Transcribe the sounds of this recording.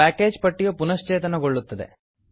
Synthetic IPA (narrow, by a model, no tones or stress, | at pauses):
æːke̞ːd͡ʒpɐʈːijɐpunɐʃt͡ʃeːt̪ɐnɐɡoɭːut̪ːɐd̪ḛ